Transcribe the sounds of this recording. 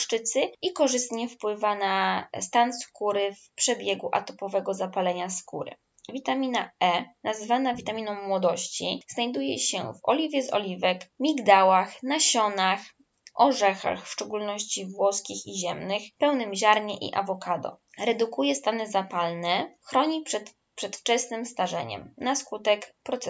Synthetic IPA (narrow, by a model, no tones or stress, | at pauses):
ʂt͡ʂɘt̪sɘikɔʐɘst̪ɲɛfpwɘvanast̪anskuɾɘfpʂɛbʲjɛɡuʔa̰t̪ɔpɔvɛɡɔzapalɛɲaskuɾɘ̰ | vʲit̪amʲina̰ʔɛnazvanavʲit̪amʲinɔ̃wmːwɔd̪ɔɕt͡ɕḭz̥najd̪ujɛ̰ɕɛ̰vɔ̰lʲivʲjɛzɔ̰lʲivɛkmʲiɡd̪awaxnaɕɔnax | ʔɔʐɛxa̰xfʂt͡ʂɛɡulnɔɕt͡ɕivwɔskʲixiʑɛmnɘxpɛwnɘmʑaɾɲɛʔḭʔa̰vɔkad̪ɔ̰ɾɛd̪ukujɛst̪anɛzapalnɛxɾɔɲipʂɛt̪ | pʂɛt̪ft͡ʂɛsnɘmst̪aʐɛ̰ɲɛ̰mnaskut̪ɛkpɾɔt̪s